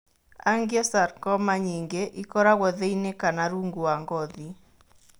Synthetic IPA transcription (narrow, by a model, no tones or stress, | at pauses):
aŋɡjɛsarkɔmaɲiŋɡeʔikɔɾaɣɔðeinekanaɾuŋɡuaŋɡɔði